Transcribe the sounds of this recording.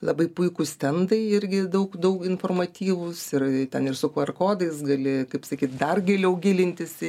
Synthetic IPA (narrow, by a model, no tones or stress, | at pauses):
lˠɐbɐɪpʊɪkʊsʲt̪ʲɛnd̪ɐɪɪɾʲɡʲɪd̪ɐʊkd̪ɐʊkɪnfoːrmɐt̪ʲiːʋʊsɪrt̪ʲɛnɪrsʊkɐrkoːd̪ɐɪsɡɐlʲɪkɐɪpsɐkʲiːt̪̚d̪ɐrɡʲeːlʲɛʊɡʲɪlʲɪnʲt̪ʲɪsʲɪ